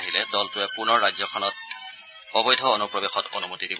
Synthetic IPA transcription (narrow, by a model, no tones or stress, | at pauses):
ɦilɛdɔltʊɛpunɔɹːazɔkʰɔnɔt̚ | ɔbɔjdʱɔonupɹɔbexɔto̰numotidib